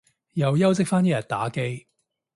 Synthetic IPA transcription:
jɐ˨˧wjɐ˥wt͡sɪ˥k̚faː˥njiː˥jɐ˨˩nt̪aː˨˥ke˥j

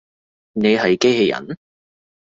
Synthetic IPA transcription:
ne˨˧jɦɐ˨jke˥jɦe˧jɐ̰˨˩˦n

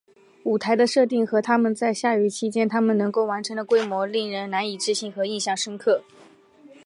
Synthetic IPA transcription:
u˨˩t̪ʰa˧˥ɪd̪ə˧ʂɤ˥˧t̪̬i˥˩ŋxɤ˧˥t̪ʰa˥mə˨nt͡sa˥˧ɪɕja˥˩y˧˥˩t͡ɕʰi˥t͡ɕjɛ˥nt̪ʰa˥mə˨nɤ˧˥ŋko˥˩ʊwa˧˥nʈ͡ʂʰɤ˧˥ŋd̪ə˧kwe˥ɪmwɔ˧˥li˥˩ŋɻə˧˥nna˧˥ni˨˩ʈ͡ʂɻ̩˥˧ɕi˥˩ŋxɤ˧˥i˥˧nɕjɑ˥˩ŋʂə˥ŋkʰɤ˥˩

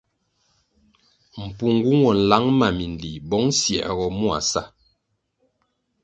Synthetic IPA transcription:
m̩˨pu˨ŋɡu˦ŋwɔ˨n̩˨la˨˦ŋma˨mi˨n˨di˨bɔ˨˦ŋsjɛ̰˨ʔɣɔ˨mu˦a̰˨sa˦

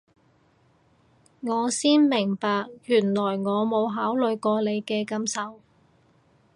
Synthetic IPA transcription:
ŋɔː˨˧siː˥nmɪ˨˩ŋpaː˨k̚jyː˨˩nlɔː˨˩jŋɔː˨˧mo˨˧wɦaː˨˥wlɵ˨˧ɥjkɔː˧le˨˧jkɛː˧kɐ˧msɐ˨w

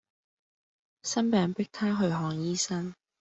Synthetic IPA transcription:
sɐ˥npɛː˨˧ŋpɪ˥k̚t̪ʰaː˥ɦɵ˨˧ɥɦɔː˧ŋjiː˥sɐ˥n

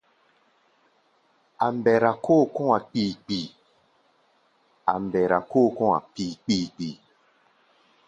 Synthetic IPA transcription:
a˨m̩˦bɛ˨ɾa˨ko˦˨kɔ̃˦a˨k͡piː˨k͡pi˨ | a̰˨m˨bɛ˨ɾa˨koː˦˨kɔ̃˦a̰˨k͡piː˨k͡piː˨k͡pi˨

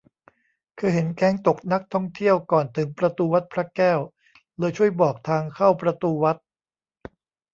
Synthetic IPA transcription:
kʰɯː˧ɦe˩˦nkɛː˦˥ŋt̪o˨˩k̚na˦˥k̚t̪ʰɔ˥˩ŋt̪ʰi˥˩əwkɔː˨˩nt̪ʰɯ˩˦ŋpɾa˧t̪uː˧wa˦˥t̪̚pʰɾa˦˥kɛː˥˩w | lɤː˧jt͡ɕʰu˥˩əjbɔː˨˩k̚t̪ʰaː˧ŋkʰa˥˩wpɾa˧t̪uː˧wa˦˥t̪̚

